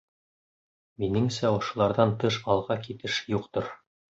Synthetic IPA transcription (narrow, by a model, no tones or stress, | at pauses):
minɘŋsæŏʃŏlˠɑɾðɑnt̪ɤʃɑlˠʁɑkit̪ɘʃjuqt̪oɾ